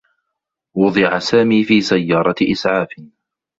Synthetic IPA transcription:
wʊd̪ˤɨʕasaːmiːfiːsajːɑːɾˤɑʔɪsʕaːfɪ

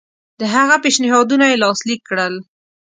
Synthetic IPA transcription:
d̪əɦaɣapeʃnɪɦɑd̪unajelɑslikːɽəl

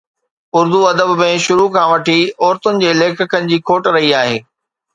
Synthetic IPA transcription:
ʊɾd̪uɐd̪əbmẽʃʊɾukʰãːʋɐʈʰiɔːɾt̪ʊnɪ̆d͡ʑeːleːkʰəkʰənɪ̆d͡ʑiːkʰoːʈɾɐɦiaːɦeː

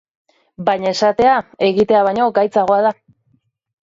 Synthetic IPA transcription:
bajɲae̞sat̪e̞ae̞ɣit̪e̞aβajɲo̞ɡajt͡saɣ̞o̞aða

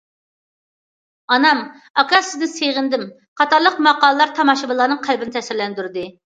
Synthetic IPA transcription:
ɑnɑm | ɑkɑsɪznɪseʁɪnd̪ɪm | qʰɑt̪ʰɑɾlˠəqmɑqɑːlˠəlˠɑɾt̪ʰɑmɑʃɨbɨlˠɑnɨŋqʰælbɪnɪt̪ʰɛsɪɾlɛnd̪yɾd̪ɨ

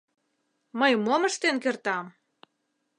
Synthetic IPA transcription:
məjmoməʃt̪enkert̪ɑm

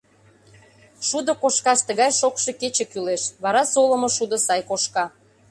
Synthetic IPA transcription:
ʃud̪ə̆koʃkɑst̪əɣɑjʃokʃe̽ket͡ɕĕkyleʃβɑɾɑsoləmŏʃud̪ə̆sɑjkoʃkɑ

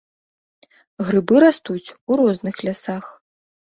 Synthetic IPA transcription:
ɣɾɨbɨɾast̪ut͡sʲuɾɔznɨxlʲasax

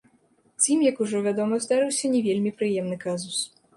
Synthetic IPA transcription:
zʲimjɐkuʐɔvʲad̪ɔmɐzd̪aɾɨwsʲɐnʲɛvʲelʲmʲipɾɨjɛmnɨkazus

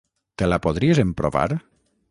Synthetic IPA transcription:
t̪elapoðɾiezempɾoβa̰ɾ

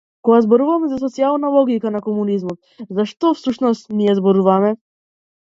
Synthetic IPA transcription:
kɔɡazbɔɾuvamɛzas̬ɔt̪sialˠnalˠɔɡikanakɔmunizmɔt̪̚zaʃt̪ɔfsuʃnɔst̪nijɛzbɔɾuvamɛ

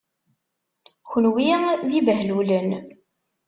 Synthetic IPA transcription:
çənwiðivəɦlulən

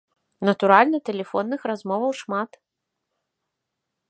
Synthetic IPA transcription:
nɐt̪uɾalʲnɐt̪ɛlʲɛfɔnːɨxrazmɔvɐwʂmat̪

